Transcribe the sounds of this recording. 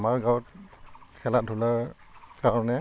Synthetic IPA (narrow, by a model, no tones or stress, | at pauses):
maɹɡawɔt̚kʰɛlat̚dʱulaɹ | kaɹɔnɛ